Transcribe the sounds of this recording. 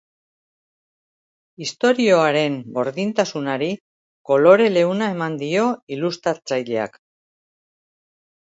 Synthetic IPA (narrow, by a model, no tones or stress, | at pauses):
ist̪o̞ɾio̞aɾe̞nɡo̞ɾðint̪asunaɾi | ko̞lo̞ɾe̞le̞unae̞mand̪io̞ilust̪ɾat͡sajʎe̞a̰k